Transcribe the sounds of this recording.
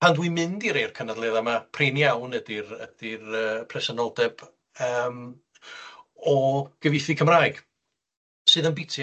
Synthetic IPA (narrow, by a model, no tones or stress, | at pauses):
andwimɪndiɾeːrkʰənadlˠɛːðamapʰrenjawnɛdirəd̥irəːpʰrɛsənɔlˠdɛb̥ | əːm | ɔɡ̥əvɪθikʰəmraːjɡ̥ | sɨːðənbɪtʰj